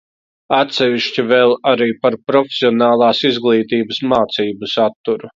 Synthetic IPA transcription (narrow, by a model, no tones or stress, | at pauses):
at̪sɛviʃt͡ɕivɛlˠaɾiːpaɾpɾɔfʲe̥sʲiɔnaːlˠaːsizɡlˠiːt̪iːbəsmaːt̪siːbɐsat̪ːuɾu